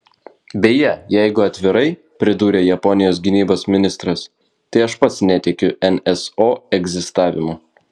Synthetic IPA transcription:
bʲɛjɛjɛɪɡʊɐt̪ʲʋʲɪɾɐɪ | pʲɾʲɪd̪uːɾʲeːjɛpɔnʲɪjoːs̬ɡʲɪnʲiːboːsmʲɪnʲɪst̪ɾɐs | t̪ɐɪɐʃpɐt̪snʲɛt̪ʲɛkʲʊɛnɛsoːɛɡzʲɪst̪ɑːʋʲɪmʊ

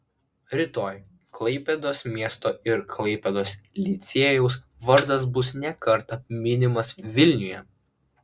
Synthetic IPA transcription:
ɾʲɪt̪oːj | klˠɐɪpʲɛd̪oːsmʲiɛst̪oːɪɾkʰlˠɐɪpʲɛd̪oːslʲɪt̪sʲeːjɛʊs | ʋɐɾd̪ɐs̬bʊsnʲɛkɐɾt̪ɐmʲɪnʲɪmɐsʋʲɪlʲnʲʊjɛ

